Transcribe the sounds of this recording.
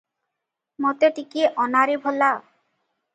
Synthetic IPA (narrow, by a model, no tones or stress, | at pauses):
mɔt̪eʈikieʔɔnaɾibʱola